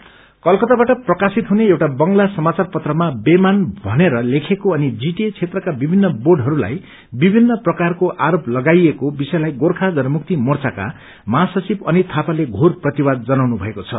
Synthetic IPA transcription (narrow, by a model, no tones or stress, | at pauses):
kʌlkʌt̪abaʈʌprʌkasit̪ɦuneewʈabʌŋɡlasʌmat͡sarpʌt̪rʌmabemanbʱʌneɾʌlekʰekoʌnid͡ziʈet͡sʰet̪rʌkabibʱinːʌboɖɦʌɾula̰j | bibʱinːʌprʌkarkoʔaɾoplʌɡajekobisʌjlajɡorkʰad͡zʌɾmuk̚t̪imʌrt͡saka̰ | masʌt͡sibʌnit̪ʰapaleɡʱorprʌt̪iwad̪̚d͡zʌnawnubʱʌekot͡sʰʌ̰